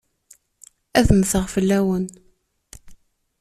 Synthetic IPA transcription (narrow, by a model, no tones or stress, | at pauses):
æðəmθəʁfəlːæwən